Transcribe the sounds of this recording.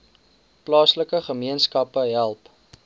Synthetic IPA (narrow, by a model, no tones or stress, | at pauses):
plɑːsləkəχəmiənskɐpəɦælˠp